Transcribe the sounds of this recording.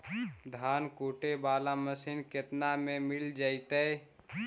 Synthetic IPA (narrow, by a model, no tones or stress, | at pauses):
d̪ʱaːnkuːʈebaːlaməsinket̪namẽmɪld͡ʒaːit̪ɛe